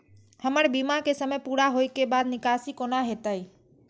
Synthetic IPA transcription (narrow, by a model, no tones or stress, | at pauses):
həməɽbiːmakesəməjpuːɾaɦoːikebaːd̪nɪkaːsikonaɦeːt̪əiː